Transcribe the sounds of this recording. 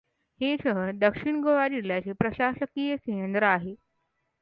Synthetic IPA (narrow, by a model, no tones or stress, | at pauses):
hesəɦəd̪əkʂiɳɡoʋad͡ʑiljat͡sepɾəɕasəkijəsijənd̪ɾəaɦe